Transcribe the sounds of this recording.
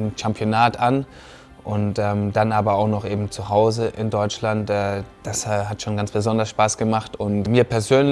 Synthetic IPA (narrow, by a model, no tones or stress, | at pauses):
nʃampʰjonaːtʔan | ʔʊntʔɛːmd̥anʔaːbɐaʊxnɔχʔeːbm̩t͡suɦaʊzəʔɪndɔʏt͡ʃlantʔɛːd̥asɛːɦatʃoːnɡansb̥əzɔndɐsʃpaːsɡ̥əmaχtʊntmiːɐpʰɛɐzøːn